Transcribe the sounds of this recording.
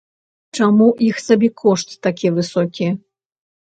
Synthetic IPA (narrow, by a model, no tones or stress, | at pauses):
t͡ʂamuʔixsabʲɛkʰɔʂt̪ːakʲivɨsɔkʲijɛɐ